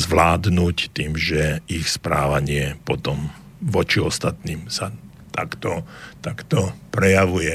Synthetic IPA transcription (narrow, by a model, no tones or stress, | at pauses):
zʋlaːd̪nuct̪iːmʒɛixspɾaːʋaɲɪɛpɔt̪ɔm | ʋɔt͡ʃiɔst̪at̪niːmsa | t̪akt̪ɔt̪akt̪ɔpɾɛjaʋujɛ